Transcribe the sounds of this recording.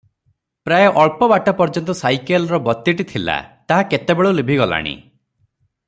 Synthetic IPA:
pɾajɔʔɔɭpɔbaʈɔpɔɾd͡ʒɔnt̪ɔsajkelɔɾɔbɔt̪ːiʈit̪ʰila̰t̪aɦaket̪ebeɭulebʱiɡɔla̰ɽ̃ḭ

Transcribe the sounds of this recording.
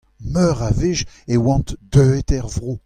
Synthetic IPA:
mœʁavɪʒewɑ̃t̪d̪øet̪ɛʁvʁo

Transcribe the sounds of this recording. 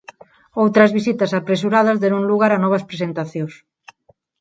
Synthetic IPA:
owt̪ɾɐzβisit̪ɐsapɾes̬uɾaðɐzðɛɾũŋluɣaɾanɔβ̞ɐspɾesent̪aθjõs

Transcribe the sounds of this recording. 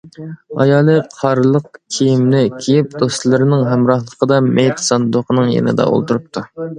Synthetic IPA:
ɑ̰jɑːlˠɨqʰɑɾlˠəq̚kʲʰijimnɪkʲʰijip̚d̪ost̪lˠɨɾɪnɪŋɦɛmɾɑhlˠəqʰəd̪ɑmejt̪ʰsɑnd̪oqʰənɨŋjḛnɪ̰d̪ɑ̰o̰lˠt̪uɾup̚t̪ʰu

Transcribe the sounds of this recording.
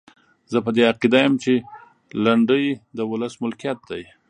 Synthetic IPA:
zəpəd̪eaqid̪ajəmt͡ʃe | laɳɖəjd̪əwʊləsmʊlkijat̪̚d̪aj

